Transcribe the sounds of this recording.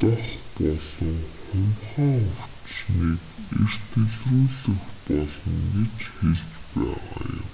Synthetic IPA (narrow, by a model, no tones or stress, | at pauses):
t̪ʊɬpɔɮɞ̆ŋχʊnχaːŋɵr̥t͡ɕniːkḛr̥t̪ɡɘ̆ɮruːɮɘ̆xpɔɮɞ̆ŋɡet͡ɕxeɮt͡ɕpæːʁa̰ːjʊ̰m